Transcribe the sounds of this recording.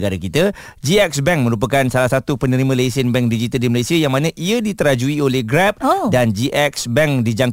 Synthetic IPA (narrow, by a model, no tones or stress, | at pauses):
ɡaɾakit̪a | d͡ʒiɛk̚sbɛŋmə̃ɾup̬akansalahsat̪upənəɾimãlesənbɛŋk̚did͡ʒit̪aldiməlajsiajaŋmãnãʔiadit̪əɾad͡ʒuiolɛhɡɾɛp̚dand͡ʒiʔɛksbɛŋdid͡ʒaŋ